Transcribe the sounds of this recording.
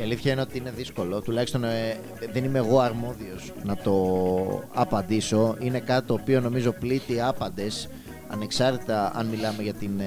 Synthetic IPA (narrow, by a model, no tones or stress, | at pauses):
iɐliθçɐineo̞t̪iine̞ðisko̞lo̞t̪ulɐçist̪o̞n | ðe̞nimeːɣo̞ɐɾmo̞ðio̞znɐt̪o̞ | ɐpɐnd̪iso̞ine̞kɐt̪i̥t̪o̞ːpio̞no̞mizo̞plit̪iɐpɐnd̪e̞s | ɐ̰ne̞ksɐɾt̪it̪ɐɐ̰nmilɐme̞ʝɐt̪in